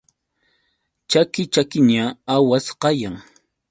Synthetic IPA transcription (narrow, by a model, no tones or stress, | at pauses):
t͡ʃakɪt͡ʃakɪɲaawasqɑjaŋ